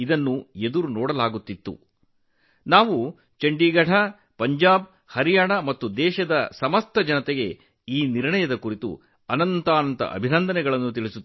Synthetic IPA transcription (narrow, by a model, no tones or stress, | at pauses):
id̪ɐnːue̞d̪uɾunɔːɽɐlaːɡut̪ːit̪ːṵ | naːʋu | t͡ʃɐɳɖiːɡɐɽʰʱɐ | pɐɲd͡ʒaːb̚ | hɐɾijaːɳɐmɐt̪ːud̪ɛːʃɐd̪ɐsɐmɐst̪ʰɐd͡ʒɐnɐt̪ɛɡe̞ | iːniɾɳɐjɐd̪ɐkuɾit̪ṵ | ɐnɐnt̪aːnɐnt̪ɐ̰ʔɐ̰bʱinɐnd̪ɐnɛɡɐɭɐnːut̪iɭisuː